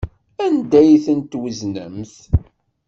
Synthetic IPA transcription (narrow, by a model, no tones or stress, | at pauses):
ænd̪æjθənt̪wəznə̰mθ